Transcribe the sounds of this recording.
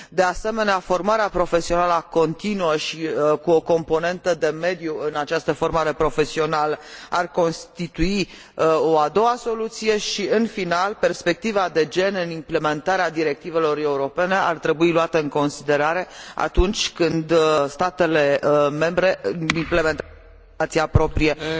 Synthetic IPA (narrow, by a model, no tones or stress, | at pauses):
d̪e̞ase̞me̞neafo̞rmaɾeapɾo̞fe̞sio̞naləako̞nt̪inuəʃikuo̞ko̞mpo̞ne̞nt̪əd̪e̞me̞d̪juɨnat͡ʃast̪əfo̞rmaɾe̞pɾo̞fe̞sio̞naləarko̞nst̪it̪ui | o̞ad̪o̞aso̞lut̪sije̞ʃiɨnfinalpe̞rspe̞k̚t̪ivad̪e̞d͡ʒe̞nɨnimple̞me̞nt̪aɾead̪iɾe̞k̚t̪ive̞lo̞re̞uɾo̞pe̞ne̞a̰rt̪ɾe̞builuat̪əɨŋko̞nsid̪e̞ɾaɾe̞a̰t̪unt͡ʃʲkɨnd̪st̪at̪e̞le̞me̞mbɾe̞imple̞ment̪ | t̪siapɾo̞pɾije̞